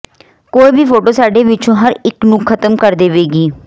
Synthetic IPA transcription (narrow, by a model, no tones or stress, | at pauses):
koːiːbiːpʰoːʈoːsaːɖeːʋɪt͡ʃõːɦəɾɪknũːkʰət̪əmkəɾd̪eːʋeːɡiː